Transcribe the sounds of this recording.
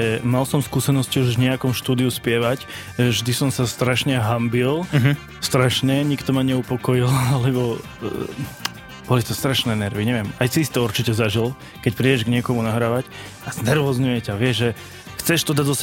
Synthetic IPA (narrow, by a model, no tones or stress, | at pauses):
ɛmalsɔmskuːsɛnɔsciuʒvɲɛakɔmʃt̪uːd̪iuspɪɛʋac | ʒɛvʒd̪isɔmsast̪ɾaʃɲɛɦambilɦ | st̪ɾaʃnɛɲikt̪ɔmaɲɛupɔkɔjilalɛbɔ | b̥ɔlit̪ɔst̪ɾaʃnɛːnɛɾʋiɲɛʋɪɛmajsiist̪ɛuɾt͡ʃicɛzaʒil | kɛcpɾiɟɛʒɡɲɪɛkɔmunaɦɾaːʋac | anɛɾʋɔzɲujɛcaʋɪɛʒʒɛ | xt͡sɛʃt̪ɔd̪ad̪ɔs